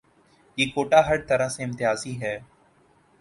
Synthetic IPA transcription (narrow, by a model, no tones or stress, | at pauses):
jeːkoːʈaːɦəɾt̪əɾãːsẽːɪ̃mt̪ɪjaːziːɦɛː